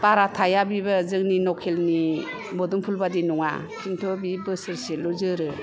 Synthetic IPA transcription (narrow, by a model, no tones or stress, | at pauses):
paɾatʰajabibazɯŋninɔkʰelni | bɔduŋpʰulbadinɔŋa̰ | sʰintʰobibɯsɯɾseluzɯɾɯ